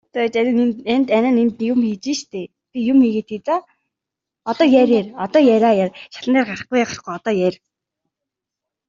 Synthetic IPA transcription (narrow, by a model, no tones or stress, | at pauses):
t̪æt͡ɕænnænt̪ænănimt̪nijʊmxet͡ɕiːʃt̪ʰeː | pʲijʊmiɣeːt̪ʰit͡sa | ɔt̪ɔːjæɾʲærɔt̪ɔːjæɾaːjarʃḁɮə̆næːrɢarə̆χɡujaχə̆χɡujɔt̪ɔːjæɾʲ